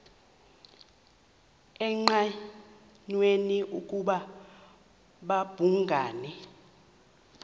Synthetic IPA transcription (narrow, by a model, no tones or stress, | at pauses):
ɛŋ͡ǃa | ɲweniʔukʼuɓa | ɓab̥ʱuŋɡʱaːnɛ